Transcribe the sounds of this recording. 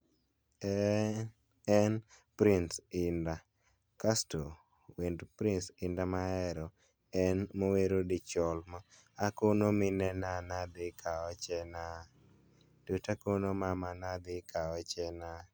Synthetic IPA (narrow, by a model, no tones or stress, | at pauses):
ɛ | ɛn | pɾinsɪnda | kasto | windpɾinsɪndamaɛɾɔ | ɛnmoweɾodɪt͡ʃɔlma | akonomɪnɛnanad̪ɪkʰaɔt͡ʃɛna | d̥utakonomamanad̪ɪkaɔt͡ʃɛna